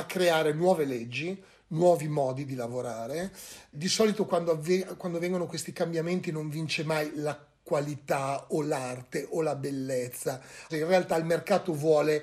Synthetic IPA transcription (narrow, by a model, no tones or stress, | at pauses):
akːɾeaːɾenwɔːveled͡ʒːi | nwɔːvimɔːd̪id̪ilavoɾaːɾed̪isɔːlit̪okwand̪oaekwand̪ovɛŋɡonokwest̪ikambjament̪inoɱvint͡ʃemajla | kwalit̪aolart̪eʔolabelːet̪sːaɛinrealt̪ailmerkaːt̪ovwɔːle